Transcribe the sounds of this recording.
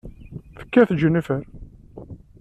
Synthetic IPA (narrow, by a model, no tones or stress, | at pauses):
θə̥kːæθd͡ʒənːifəɾ